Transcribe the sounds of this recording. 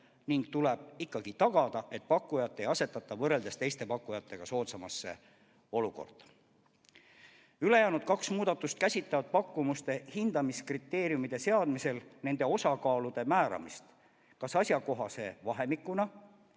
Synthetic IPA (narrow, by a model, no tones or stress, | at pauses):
niŋɡ̥̚t̪ule̞b̥ikːɑɡ̥it̪ɑɡ̥ɑd̪̥ɑʔe̞t̪̚ˑpɑkːˑujɑt̪ˑːe̞jɑse̞t̪ːˑɑt̪ːˑɑvɤre̞ld̪e̞st̪e̞jst̪e̞pɑkːujɑt̪ːe̞ɡ̥ɑso̞ːt̪sɑmɑsːe̞̰ | o̞luko̞̰rd̪̥ɑ̥ | yle̞jæːnud̪̥̚kɑksmuːd̪̥ɑt̪ːˑust̪kæsʲit̪ːˑɑvɑd̪̚pɑkːumust̪e̞hind̪̥ɑmiskrit̪ːe̞ːɾiumid̪̥e̞se̞ɑd̪̥mise̞lne̞nd̪̥e̞o̞sɑkɑːlud̪̥e̞mæːɾɑ̰mist̪ | kɑsɑsʲjɑko̞ɦɑse̞vɑɦe̞mikːˑunɑ